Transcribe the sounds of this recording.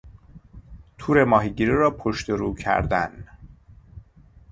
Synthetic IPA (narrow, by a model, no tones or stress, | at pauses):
t̪ʰuːɾe̞mɒːɦiɟiːɾiɾɒːpʰoʃt̪eɾuːcʰæ̰ɾd̪æ̰n